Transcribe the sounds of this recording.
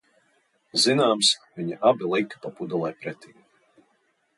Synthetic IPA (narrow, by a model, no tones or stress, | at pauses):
zinaːmsviɲaʔabilˠikpapud̪ulˠɛjpɾɛt̪iː